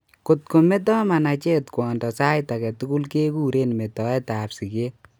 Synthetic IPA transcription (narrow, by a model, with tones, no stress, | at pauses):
ko˨t̚ko˨me˦t̬ɔ˦ma˨na˨t͡ʃe˦tkwɔː˨ndɔ˨sa˦jta˨kɛ˨tu˦ku˦lke˦kuː˦ɾe˦nme˨tɔ˨ɛ˦ta˨psi˨ke˦